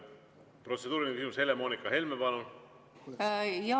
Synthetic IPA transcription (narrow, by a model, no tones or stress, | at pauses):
pro̞t̪se̞d̪uːɾinekysimushe̞le̞moːnikːˑɑɦe̞lmepɑnu | jɑ